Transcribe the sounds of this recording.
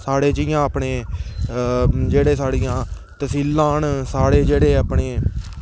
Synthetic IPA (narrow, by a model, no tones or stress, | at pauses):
saːɽeːd͡ʒiːjãːəpɳeː | d͡ʒeːɽeːsaːɽijãː | t̪əsiːlãːnsaːɽeːd͡ʒeːɽeːapɳeː